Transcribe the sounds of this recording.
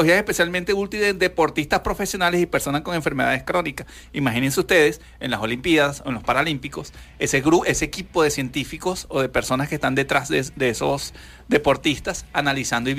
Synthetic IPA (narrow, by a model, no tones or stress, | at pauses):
ohiaesespe̞sjalmẽnt̪eult̪iðed̪e̞po̞ɾt̪ist̪aspɾo̞fe̞sjo̞nale̞sipe̞ɾso̞nasko̞ŋe̞ɱfeɾme̞ðaðeskɾo̞nikas | imaxinens̬e̞ust̪e̞ð̞e̞s | enlaso̞limpjaðasoenlo̞spaɾalimpiko̞s | e̞seɣɾuʔe̞seːkipo̞ðe̞sje̞nt̪ifiko̞soðe̞pe̞ɾso̞naskest̪and̪e̞t̪ɾazed̪eesos | d̪e̞po̞ɾt̪ist̪asanalisand̪oi